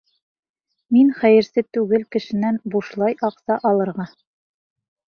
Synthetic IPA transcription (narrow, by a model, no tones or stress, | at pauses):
minχæjɘ̆ɾsɘt̪ʉɡɘlkɘ̆ʃɘ̆nænbuʃlˠɑjʔɑqsɑʔɑlˠɤ̆ɾʁɑ